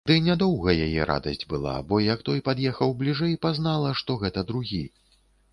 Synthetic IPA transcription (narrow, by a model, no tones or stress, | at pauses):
d̪ɨnʲad̪ɔwɣɐjajɛɾʔa̰d̪ɐ̰sʲd͡zʲbɨlˠa̰bɔjɐkt̪ɔjpad̪jɛxɐwblʲiʐɛjpaznalˠɐʂt̪ɔɣɛt̪ɐd̪ɾuɣʲi